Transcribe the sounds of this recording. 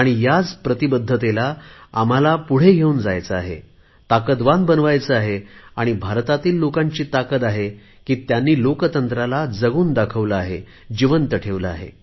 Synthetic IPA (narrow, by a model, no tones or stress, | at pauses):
aɽ̃ijad͡zpɾət̪ibəd̪ʱːət̪elaam̤alapuɽ̤eɡʱeuːnd͡zajt͡səaɦḛ | t̪akəd̪ʋanbənʋajt͡səaɦeaɽ̃ibʱaɾt̪at̪iːlːokaɲt͡ɕiːt̪akət̪aɦe | kiːt̪janːiːlokət̪ənt̪ɾalad͡zəɡuːnd̪akʰəʋləaɦe | d͡ʑiʋənt̪əʈʰeʋləa̰ɦḛ